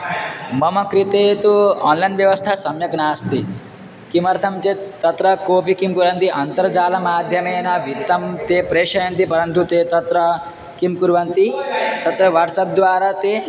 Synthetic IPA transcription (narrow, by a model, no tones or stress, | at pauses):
mɐmɐkɾit̪et̪uɔːnlajnʋjɐʋɐst̪ʰasɐmjɐknaːst̪i | kimɐɾt̪ʰɐmt͡set̪ɐt̪ɾɐkoːpikimkuɾɐnt̪iʔɐnt̪ɐɾd͡ʒaːlɐmaːd̪ʱjɐmeːnɐʋit̪ɐmt̪epɾeːʂɐjɐnt̪ipɐɾɐnt̪ut̪eːt̪ɐt̪ɾɐ | kimkuɾʋɐnt̪it̪ɐt̪ɾɐʋɐɾʈsɐp̚d̪ʋaːɾat̪e